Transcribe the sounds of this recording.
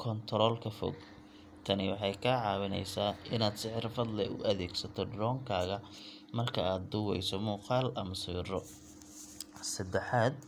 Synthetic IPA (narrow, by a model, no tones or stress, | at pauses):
kʰɔnt̪ʰɾɔːlkʰɐfɔ̰ɡ | t̪ʰɐnɪwɑħɑjkʰaːʕɑːwɪnɛ̰jsaːʔɪnaːd̪sɪħɪrfɐd̪lɛʔʊ̰ʔɐðɛːɡsɐt̪ʰɔɖɾɔːŋkʰaːɣɐ | mɐrkʰɐaːd̪̚ːʊwɛjsɔmuːqɑːlɐmɐsiːrɔ | sɐd̪ɛħaːd̪̚